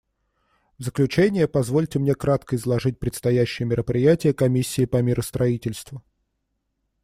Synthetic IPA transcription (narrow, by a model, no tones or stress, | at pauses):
vzəklʲʉt͡ɕenʲɪjəpɐzvo̞lʲtʲɪmnʲe̞kɾat̪kəɪzlˠɐʐɨt̚ʲpɾʲɪt̪st̪ɐjæɕːɪjəmʲɪɾəpɾʲɪjætʲɪjəkɐmʲisʲːɪːpɐmʲiɾəst̪ɾɐitʲɪlʲst̪vʊ